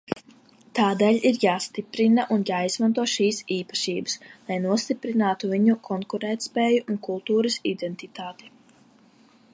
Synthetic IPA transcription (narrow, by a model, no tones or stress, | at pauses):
t̪aːd̪ɛːlʲiɾjaːst̪ipɾinaʔunjaːizmant̪uɔʃiːsiːpḁʃiːbaslˠajnuɔst̪ipɾinaːt̪uviɲukʰɔŋkuɾɛːt̪spɛːjuʔunkulˠt̪uːɾɐsid̪ɛnt̪it̪aːt̪ɛ̥